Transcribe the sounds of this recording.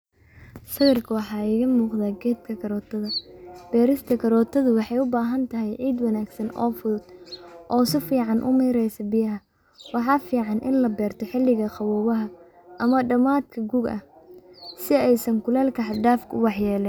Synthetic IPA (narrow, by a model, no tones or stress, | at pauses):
sɐɣɐrkʰɐwɑħɑːɪɣɐmuːqðaːɡɛːt̪kʰɐkʰɐɾɔːt̪ʰɐðɐb̥ɛːɾɪst̪ʰɐkʰɐɾɔːt̪ʰɐðʊwɑħɑjʊbaːɦɐnt̪ʰɐɦɛjʕiːd̪wɑnaːɡsɐnɔ̰ːfʊðʊd̪̥ʔɔːsɪfiːʕɑnʔʊ̰mɛːɾɛjsɐbɪjɐɦɐ | wɑħɑːfiːʕɑnʔɪ̰nlɐbɛːrt̪ʰɔħɪlːɪɣɐqɑwɔːβɐɦɐ | ʔɐmɐɖɐmaːd̪̚kʰɐɡuːɡɐ̰h | sɪɛjsɐŋkʰʊlaːlkʰɐħɑɖaːfkʰɐʊwɑħjɛːlɛn